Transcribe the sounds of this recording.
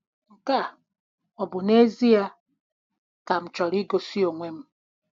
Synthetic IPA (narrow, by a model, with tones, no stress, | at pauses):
ŋ̩˨ka˦˨ | ɔ˨bʊ˨ne˦zi˦a˦ | ka˨m̩˨t͡ʃɔ˨ɾi˦ɡo˨si˦o˨ŋʷe˦m̩˦